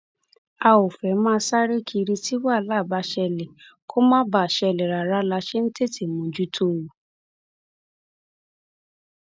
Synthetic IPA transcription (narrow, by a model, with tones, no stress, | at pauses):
a˧o˨fɛ˨˦mãː˦˧˦sa˦ɾe˦kʰi˧ɾi˧ti˦wa˦˨˦la˦˨ba˧ʃɛ˧le˨ko˦mã˦ba˨ʃɛ˧˨le˨ɾa˨ɾa˦la˧ʃe˦n̩˦te˦˨ti˨mũ˨d͡ʒu˦tʰo˦˨wu˨